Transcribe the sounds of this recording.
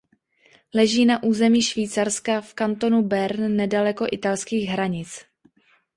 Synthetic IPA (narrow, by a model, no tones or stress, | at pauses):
lɛʒiːnaʔuːzɛmiːʃviːt͡saɾskafkant̪o̞nubɛɾnːɛdalɛko̞ʔɪt̪alskiːɣɦɾaɲɪt͡s